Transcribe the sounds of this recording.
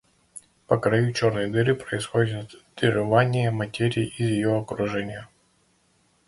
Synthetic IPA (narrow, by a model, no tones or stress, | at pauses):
pəkɾɐjut͡ɕo̞rnɨjd̪ɨɾɨpɾəɪsxodʲɪt̪t̪d̪̥ɨʐɨvanʲɪjəmɐtʲeɾʲɪːizjɪjoɐkɾʊʐɛnʲɪjə